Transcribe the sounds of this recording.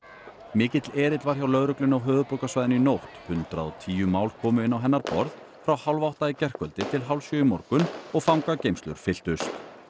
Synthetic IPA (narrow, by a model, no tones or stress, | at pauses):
mɪːcɪt̪lɛːɾɪt̪vaɾ̥çawlœðɾʏklʏnawɦœːðʏpowkasvajðɪninowht̪hʏnt̪ɾa̰ðɔt̪ʰiːjʏmaːwlkʰɔːmʏɪnːawɦɛnːaɾpɔɾð | fɾawhawlvawht̪aðɪcɛr̥kœlt̪ɪt̪ʰɪlɦawlsjœjʏmɔɾkʏnɔɣfawŋkacejmst̪lʏ̰ɾ̥fɪl̥t̪ʏst̪